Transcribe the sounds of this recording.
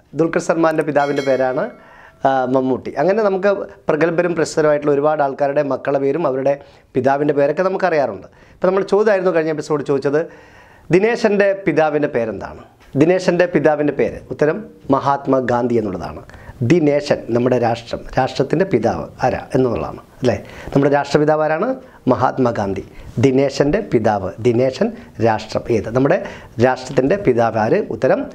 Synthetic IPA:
d̪uɭkɐɳsɐrmaːnndepiðaːʋinde̞pe̞ːɾaːɳɨ | mɐmːuːʈːḭʔɐŋːɐne̞nɐmuk̬ːɨprɐɡɐlbɐɾumprɐɕt̪ɐɾɐmaːjiʈːuɭːɐo̞ɾubaːɽaːɭkaːɾuɽe̞mɐkːɐɭɐpe̞ːɾumɐʋɐɾuɽe̞ | piðaːʋinde̞pe̞ːɾo̞kːe̞nɐmukːɨɐrijaːruɳɖɨ | ipːoːnɐmːɐɭt͡ɕo̞ːd̪ijaːjiɾunːukɐɻiɲːɐep̬iso̞ːɽɨt͡ɕo̞ːd̪it͡ɕːɐðɨ | d̪ine̞ːʂɐnde̞piðaːʋinde̞pe̞ːɾe̞nd̪a̰ːɳɨ | d̪ineːʂɐnde̞piðaːʋindepe̞ːɾɨ̰ut̪ːɐɾɐmːɐɦaːt̪mɐɡaːnd̪ʱije̞nːuɭːɐða̰ːɳɨd̪ine̞ːɕɐnnɐmːuɽe̞ɾaːʂʈrɐ̰mɾaːʂʈrɐt̪ːinde̞piða̰ːʋɨ̰ɐɾa̰e̞nːonːṵɭ̰ːa̰ːɳɨɐðilenɐmuɽeɾaːʂʈrɐpiðaːʋaːɾaːɳɨ | mɐɦa̰ːt̪mɐɡaːnd̪ʱid̪ine̞ːɕɐnde̞piðaːʋɨd̪ineːɕɐnɾaːʂʈrɐ̰meːðɨnɐmːuɽe̞ | ɾaːʂʈrɐt̪ːinde̞piðaːʋaːɾɨṵt̪ːɐɾɐm

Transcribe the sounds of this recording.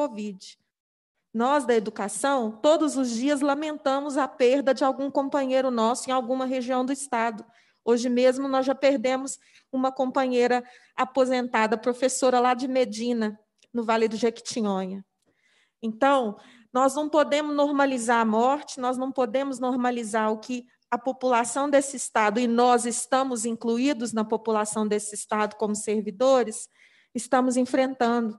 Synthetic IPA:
ovid͡ʒɪ | nɔzd̪ɐed̪ukasɐ̃w̃t̪od̪ʊzʊzd͡ʒiɐz̬lɐmẽnt̪ɐ̃mʊzɐpeɾd̪ɐd͡ʒɪawɡũkõmpɐ̃ɲejɾʊnɔsʊẽj̃awɡũmɐɦeʒiɐ̃w̃d̪ʊɪst̪ad̪ʊ | oʒɪmezmʊnɔzʒapeɾd̪ẽmʊs | ũmɐkõpɐ̃ɲejɾɐ | apozẽnt̪ad̪ɐpɾofesoɾɐlad͡ʒɪmed͡ʒĩnɐ | nʊvalɪd̪ʊʒeki̥t͡ʃĩõɲɐ | ẽnt̪ɐ̃w̃ | nɔznɐ̃w̃pod̪ẽmʊznoɾmalizaɾamɔɾt͡ʃɪ̥nɔznɐ̃w̃pod̪ẽmʊznoɾmalizaɾʊkɪ | ɐpopulasɐ̃w̃d̪esɪist̪ad̪ʊɪnɔzɪst̪ɐ̃mʊzĩŋkluid̪ʊznɐpopulasɐ̃w̃d̪esɪst̪ad̪ʊkõmʊseɾvid̪oɾɪs | ɪst̪ɐ̃mʊzĩfɾẽnt̪ɐ̃nd̪ʊ

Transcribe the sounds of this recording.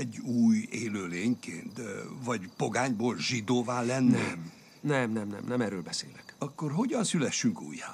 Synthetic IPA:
ɛɟːuːjeːløːleːɲkeːnt̪vɒɟpo̞ɡaːɲboːlʒid̪oːvaːlːɛnnɛm | nɛmnɛmnɛ̰mnɛmɛrøːlbɛseːlɛkɒkːorɦo̞ɟɒnsylɛʃːyŋkṵːjːa

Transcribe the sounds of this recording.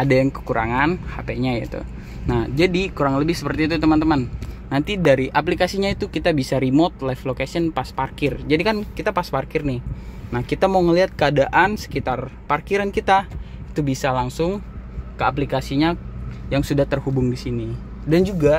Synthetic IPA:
adajaŋkə̥kuɾʔa̰ŋanhapeɲajat̪ṵ | nahd͡ʒadikuɾaŋləbɪhsə̥pərt̪iːt̪̬ut̪əmant̪əmanː | ant̪idaɾiʔap̬likasiɲait̪ukit̪abisaɾimot̪̚lajflokesiənpasparkɪrd͡ʒadikankit̪apasparkɪrnɪhnahkit̪amauŋəliɦat̪̚kəadaʔansə̥kit̪arparkiɾankit̪ait̪ubisalaŋsʊŋkəap̬likasiɲajaŋsudaht̪ərhubʊŋdisini | dand͡ʒuɡa

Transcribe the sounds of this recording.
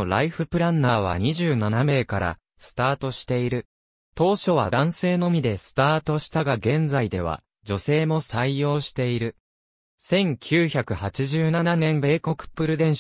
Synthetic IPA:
ɾaiɸɯ̟pɯ̟ɾãnːaːβ̞a̰ɲ̟iʑɨːnaname̞ːkaɾa̰ | sɨ̥t̪aːt̪o̞ɕi̥t̪e̞iɾɯ̟ | t̪o̞ːɕo̞β̞a̰d̪ãɰ̃se̞ːno̞mʲid̪e̞sɨ̥t̪aːt̪o̞ɕi̥t̪aɡaɡẽ̞nd͡zaid̪e̞β̞a̰ | d͡ʑo̞se̞ːmo̞saijo̞ːɕi̥t̪e̞iɾɯ̟ | sẽ̞ŋkʲʰɨːçakɯ̟hat͡ɕiʑɨːnananẽ̞mbe̞ːko̞kɯ̟̥pːɯ̟ɾɯ̟d̪ẽ̞ɰ̃ɕ

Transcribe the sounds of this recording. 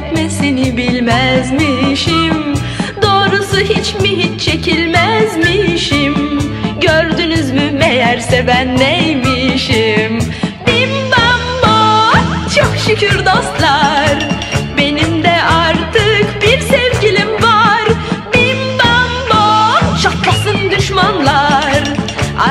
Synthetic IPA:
t̪mɛsenibilʲmæzmiʃim | d̪o̞ːɾusuɦit͡ʃmiɦit͡ʃt͡ʃʰe̞cʰilʲmæzmiʃimɟøɾd̪ynyzmymejæɾsɛvænːejmiʃim | bimbamba | t͡ʃʰokʃycʰyɾd̪ost̪lˠaɾ | be̞nimd̪ɛʔaɾt̪ʰɯkbiɾsɛvɟilʲimvaɾbimbambat͡ʃʰak̪lˠasɯnd̪yʃmanlˠaɾ

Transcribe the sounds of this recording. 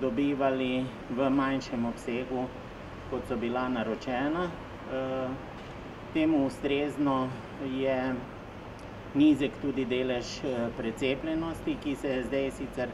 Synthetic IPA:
d̪ɔbiːʋali | ʋəmajnʃɛmɔpseːɡu | kɔt̪sɔbilanaɾɔt͡ʃɛːna | t̪eːmuːst̪ɾeːznɔ | jɛ | niːzɛkt̪uːd̪id̪eːlɛʃpɾɛt̪seːplʲɛnɔst̪ikisɛzd̪ɛjsiːt̪sɛɾ

